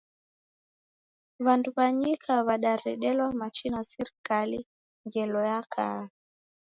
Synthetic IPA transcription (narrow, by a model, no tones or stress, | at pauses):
βanduβaɲikʰaβaɗaɾɛɗɛlwamat͡ʃinasiɾikali | ŋɡɛlɔjakʰa̰a